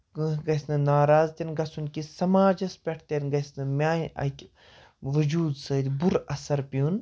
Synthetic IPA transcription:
ɡɐsnɨnaːɾaːzt̪ʲinɡɐsunkisɐmaːd͡ʒɐspʲeʈʰt̪ɐnɡɐsnɨmʲaːjɐ̰kʲ | ʋɐd͡ʒuːd̪səːd̪ʲibuɾɐsɐɾpiun

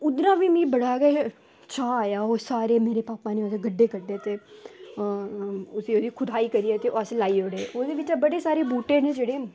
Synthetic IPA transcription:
ʊd̪ɾãːʋiːmĩːbəɽaːɡɛ | t͡ʃaːaːjaːoːsaːɾeːmeːɾeːpaːpaːneːoseɡəɖːeːɡəɖeːt̪eː | ʊsiːoːd̪iːkʰʊd̪aːiːkəɾiːɛːt̪eːoaslaːiːoɽeoːd̪eːʋɪt͡ʃabəɽeːsaːɾeːbuːʈeːnẽːd͡ʒeːɽeː

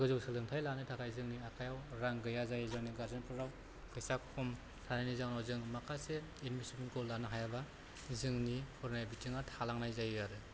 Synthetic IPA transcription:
ɡɯzɯwsɯlɯŋtʰajlanɯtʰakʰajzɯŋniakʰajawɾaŋɡɯjazajzɯŋniɡaɾzɯnpʰɯɾaw | kʰɯjsakʰɔm | tʰanajnizaŋnawzɯŋmakʰase | inmisibinkɔlːanɯɦajaba | zɯŋnihʰɔɾnajbitʰiŋatʰalaŋnajzajjaɾɯ

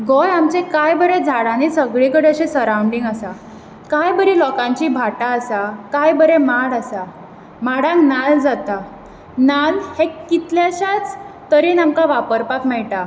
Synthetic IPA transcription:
ɡɔjamt͡sẽkajbəɾed͡zʱaɽãnisəɡɭikəɽeɕẽsəɾawuɳɖiŋɡasa | kajbəɾilɔkãɲt͡ɕiːbʱaʈaːsakajbəɾemaɽasa | maɽãŋknald͡zat̪a | nalhekːit̪ljaɕat͡s | t̪əɾinamkaʋapəɾpakmɛɭʈa

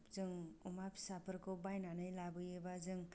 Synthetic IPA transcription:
pzɯŋumapsapʰɯɾkʰobajnanɯjlabɯjɯbazɯŋ

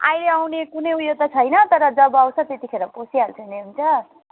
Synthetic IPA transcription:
a̰jleawnekunʌjujot̪ʌt͡sʰʌjnʌt̪ʌɾʌd͡zʌbʌaw̃t͡sʰʌt̪et̪ikʰeɾʌposialt͡sʰʌneɦunt͡sʰʌ

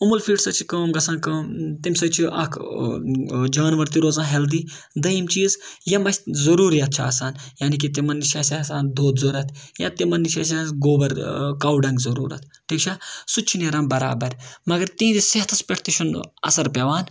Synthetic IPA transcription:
umulfʰiːʈsɐt͡ʃʰikɐːmɡɐsaːnkɐːt̪imʲsɐt͡ʃʰiʔɐ̰kʰ | d͡ʒaːnʋɐɾt̪iɾoːzãːɦeld̪i | d̪ɐjimt͡ʃiːzjɐmɐt͡ʃʲzɐɾuːɾijɐt̪̚t͡ʃʰa̰ːsaːnjaːnik̬it̪̬imɐnːiʃɐːsʲaɐsaːnd̪oːd̪zoɾɐt̪ʰjã̰ːt̪imɐnːiʃʰɐs̬ʲɐɡoːbɐɾkɐwɖɐŋɡzɐɾṵːɾɐ̰t̪ʰ | ʈʰiːkt͡ʃʰasut͡ʃʰinɐɾaːmbɐɾa̰ːbɐɾmɐɡɐɾt̪ĩːd̪iseɦt̪ʰɐspʲɐʈʰt̪iʃʰunɐ̰sɐɾpeʋaːn

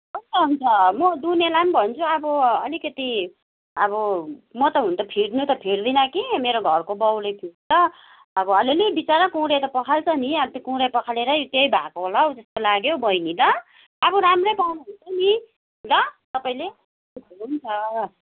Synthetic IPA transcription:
ʌst̪ʌɦunt͡sʰʌmʌd̪unelambʱʌnt͡sʰuʌbʌʌ̰likʌt̪i | ʌbʌmʌt̪ʌɦunt̪ʌpʰiɽnut̪ʌpʰiɽd̪inʌkimeɾoɡʱʌrkobʌwlʌjpʰiɽt͡sʌː | bʌʌlilebit͡saɾʌkuwɾejt̪ʌpʌkʰalt͡sʰʌniabʌt̪okũwɾʌjpʌkʰaleɾʌjt̪jʌjbʱa̰koɦolawd͡zʌst̪olaɡjobʌjnid̪ʌː | bʌɾamrʌjpawnaɦunt͡sʰʌni | lʌt̪ʌpaĩle | bʱʌunt͡sʰʌ

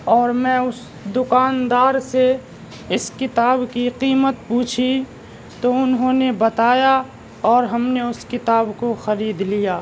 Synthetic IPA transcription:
ɔːɾmɛ̃ːʊs | d̪ʊkaːnd̪aːɾse | ɪskɪt̪aːbkiqiːmət̪̚puːt͡ʃʰi | t̪oʊnɦõːnebɐt̪aːja | ɔːɾɦɐmneʊskɪt̪aːbkoxɐɾiːd̪lijaː

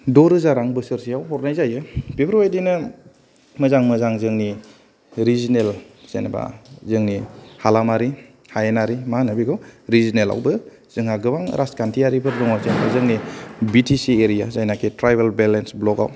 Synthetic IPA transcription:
dɔɾɯzaɾaŋbɯsɯɾsiawɦɔɾnajzajɯpʰibɾiajdinɯ | mɯzaŋmɯzaŋzɯŋni | ɾizinel | senaba̰zɯŋnihalamaɾi | hajenaɾimanɯbiɡʰɔwɾizinela̰wbɯ | z̥ɯŋaɡɯbaŋɾʔaskʰantʰiaɾipʰɯɾdɔŋawzenbazɯŋnibitʰisieɾijazajnakʰitɾajbelbelensblɔka̰w

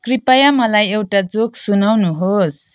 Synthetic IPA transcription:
kɾipajamalajewʈad͡zok̚sunawnuɦos

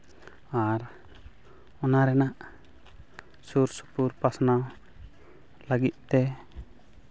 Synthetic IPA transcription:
aɾ | ɔnaɾɛnaʔ | suɾsu̥puɾpasnaw | laɡit̪̚ˀt̪ɛ

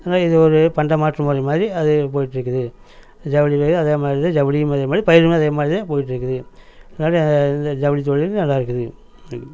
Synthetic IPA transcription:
ɐðnaːɪðɯɔɾɯpɐɳɖɐmaːʈrɯmʊɾɐmaːðɾiɐðɯpoːjɪʈːɪɾɯkːɯðɯ | d͡ʒɐʋɐlipeɐðɯɐðeːmaːðɾiðãd͡ʒɐʋɐɽiɯmɐðeːmaːðɾipɐjɪɾɯmɐðeːmaːðɾit̪apoːjɪʈːɪɾɯkːɯðɯɐðɯnaːlɐɐnd̪ɐɪnd̪ɐd͡ʒɐʋɐlit̪̬ɔɭːɪlnɐlːaːɪɾɯkːɯðɯ

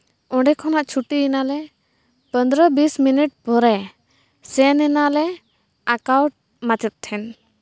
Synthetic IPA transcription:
ɔ̃ɖɛkʰɔnaʔt͡ʃʰuʈiinalɛ | pənd̪ɾəbisminiʈ̚pɔɾɛ | sɛnɛnalɛ | akawʈ̚ | mat͡ʃət̪̚t̪ʰɛn

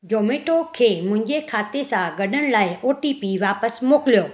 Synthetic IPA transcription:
d͡ʑoːmeːʈokʰeːmʊ̃ɦɪ̃ɲd͡ʑekʰaːt̪esãɡɐɗ̤əɽ̃laːɪʔoːʈipiʋaːpəsmoːkɪlijoː

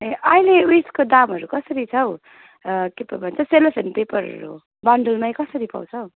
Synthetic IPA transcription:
eʌjlewiskod̪amɦʌɾukʌsʌɾit͡sʰʌw | kepʌbʱʌnt͡sʰʌselepʰenpepʌɾɦʌ̰ɾṵ | baɳɖʌlmajkʌsʌɾipa̰w̃t͡sʰʌw

